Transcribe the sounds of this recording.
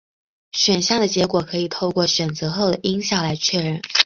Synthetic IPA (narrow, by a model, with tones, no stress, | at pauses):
ɕɥɛ˨˩nɕjɑ˥˩d̪ə˩t͡ɕjɛ˧˥kwɔ˨˩kʰɤ˧˥i˨˩t̪ʰo˥˧ʊkwɔ˥˩ɕɥɛ˨˩nt͡sɤ˧˥xo˥˩ʊd̪ə˩ʔi˥ŋɕjɑ˥˩ŋla˧˥ɪt͡ɕʰɥɛ˥˧ɻə˥˩n